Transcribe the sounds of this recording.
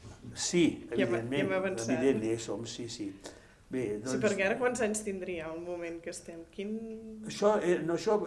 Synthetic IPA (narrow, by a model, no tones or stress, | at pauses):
siəβɛiðenmeɛməβənsβiaðenesomsisi | beðɔipəɾkɛaɾəkwanzaɲst̪ind̪ɾiəəlˠmumẽnkəst̪ɛmkinəʃɔɛnoʃɔ